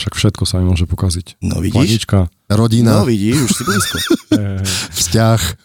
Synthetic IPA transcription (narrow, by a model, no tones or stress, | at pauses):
ʃakfʃɛt̪kɔsammʊɔʒɛpɔkazicnɔ̰ʋḭɟidɲʃit͡ʃka | ɾɔɟinaʋiɟiʃuʃsibiiskɔɛfscax